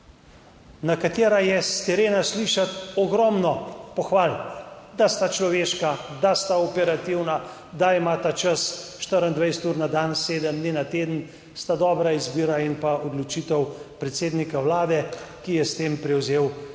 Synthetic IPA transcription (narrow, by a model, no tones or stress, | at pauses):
nakat̪eːɾajɛst̪ɛɾeːnasliʃat̪ɔɡɾɔmnɔpɔxʋaːld̪ast̪at͡ʃlɔʋeːʃkad̪ast̪aɔpɛɾat̪iwna | d̪aimaːt̪at͡ʃasʃt̪əɾənd̪ʋajsɛt̪uːɾnad̪anseːd̪əmd̪ninat̪eːd̪ən̩ | st̪ad̪ɔːbɾaizbiːɾainpaɔd̪lɔt͡ʃit̪ɛwpɾɛt̪seːd̪nikawlaːd̪ɛkijɛst̪eːmpɾɛwzeːw